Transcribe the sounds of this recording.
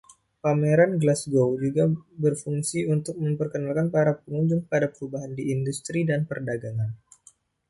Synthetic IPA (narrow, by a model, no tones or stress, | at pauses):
pameɾanɡlasɡowd͡ʒuɡabərfuŋsiunt̪ʊk̚məmpərkənalkanpaɾapəŋuɲd͡ʒʊŋəpadapəɾubaɦandiːndust̪ɾidanpərdaɡaŋan